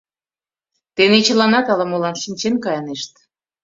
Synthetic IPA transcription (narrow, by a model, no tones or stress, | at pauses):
t̪enet͡ɕə̆lɑnɑt̪ɑlɑmolɑnʃinʲt͡ɕenkɑjɑneʃt̪